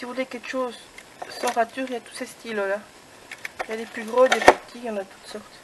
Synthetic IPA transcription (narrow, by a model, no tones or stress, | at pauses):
sivulekɛkʃoz | sɑ̃ʁat̪yːʁiljat̪u̥sest̪illa | jad̪eplyɡʁod̪epat̪ʰiɑ̃nat̪u̥t̪sɔʁt̪